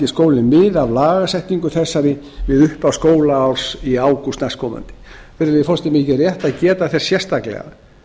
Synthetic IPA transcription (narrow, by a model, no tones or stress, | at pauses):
ɪskoːwlɪnmɪðavlaːɣasɛht̪niŋkʏθɛsːaɾɪ | vɪðʏhpawskoːwlaawɾ̥siaːwkust̪naskʰɔːma̰nt̪ɪ̥ | fɛɾɪfɔlst̪ɪmɪːcɪrjɛht̪aðcɛːt̪aθɛsːjɛr̥st̪aklɛ̰ɣa̰